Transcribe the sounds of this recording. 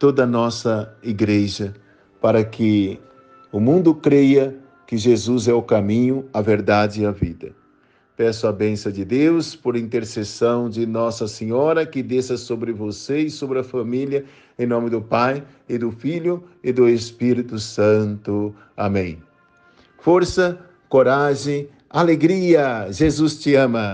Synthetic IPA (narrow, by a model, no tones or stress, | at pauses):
t̪od̪ɐnɔsɐiɡɾeʒɐ | paɾɐkʰɪ | ʊmũnd̪ʊkɾejɐ | kɪʒezuzɛʊkamĩɲʊɐveɾd̪ad͡ʒɪɐvid̪ɐ̰ | pɛsʊɐbẽsɐ̃d͡ʒɪd̪ewspoɾĩnt̪eɾsesɐ̃w̃d͡ʒɪnɔsɐseɲɔɾɐkɪd̪esɐsobɾɪvoseɪsobɾɪɐfamiljɐ | ẽj̃nõmɪd̪ʊpaj | ɪd̪ʊfiʎʊɪd̪ʊespiɾit̪ʊsɐ̃nt̪ʊ | a̰mẽj̃ | foɾsɐ | koɾaʒẽj̃ | aleɡɾiɐʒezust͡ʃɪɐ̃mɐ